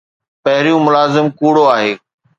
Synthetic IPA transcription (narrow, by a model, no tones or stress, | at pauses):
pɐɦɪɾijũmʊlaːzɪmkuːɽoaːɦeː